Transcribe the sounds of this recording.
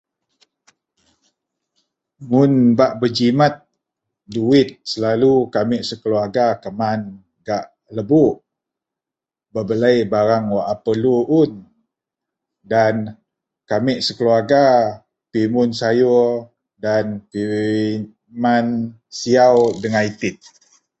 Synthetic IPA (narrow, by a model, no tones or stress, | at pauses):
mʊnbaʔbəd͡ʒimat̪̚ | duɪt̪̚səlalukamɪʔsəkəluaɡakəman | ɡaʔ | ləbuʔ | bəbələjbaɾaŋwaʔapəluʔun | dan | kamɪʔsəkəluaɡa | pimʊnsaju | danpi | man | siawdəŋait̪ɪt̪̚